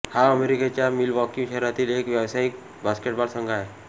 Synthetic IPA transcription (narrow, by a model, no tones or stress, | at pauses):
haəmeɾiket͡ɕjamilʋɔkĩŋʃəɾat̪iːlekʋjəʋsaik̚ | baskeʈ̚baɽsə̃ŋɡʱae